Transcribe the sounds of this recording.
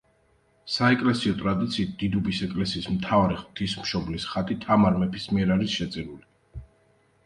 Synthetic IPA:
saɛkʼlɛsiɔt̪ʼɾad̪it̪sʰiːt̪̚d̪̥id̪ubisɛkʼlɛsiːsmt̪ʰavaɾiχt̪ʰismʃɔblisχat̪ʼit̪ʰamaɾmɛpʰismiɛɾaɾisʃɛt̪sʼiɾuli

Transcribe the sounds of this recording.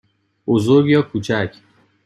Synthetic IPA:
bozoɾɡjɒːkʰuːt͡ʃʰæcʰ

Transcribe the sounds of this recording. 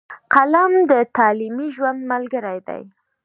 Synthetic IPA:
qalamd̪ət̪ɑlimiʒwand̪malɡəɾajd̪a̰j

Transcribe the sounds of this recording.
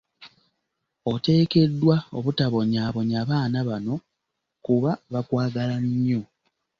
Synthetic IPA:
o̞te̞ːke̞dːwao̰βutaβo̞ɲaːβo̞ɲaːβaːnaβano̞ | kuβaβakwaːɡalaɲɲːo̞

